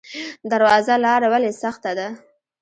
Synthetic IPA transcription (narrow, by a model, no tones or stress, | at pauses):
d̪aɾwɑzalɑɾawalesaxt̪ad̪a